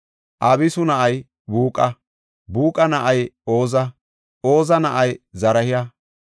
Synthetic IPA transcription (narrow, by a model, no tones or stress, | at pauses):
ʔɐbɪsʊnɐʔɐj | buːkʼɐ | buːkʼɐnɐʔɐjo̞ːzɐ | oːzɐnɐʔɐjzɐɾɐhɪjɐ